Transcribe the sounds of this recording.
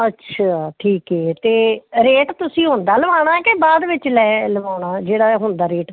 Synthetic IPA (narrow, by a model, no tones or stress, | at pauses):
ətːʰaːʈʰiːkɛːt̪eːɾeːʈt̪ʊsĩːɦʊ̃nd̪aːləʋaːɽ̃ãːkebaːd̪ʋɪt͡ʃlɛːləʋaːɽ̃aːd͡ʒeːɽaːɦʊnd̪aːɾeːʈ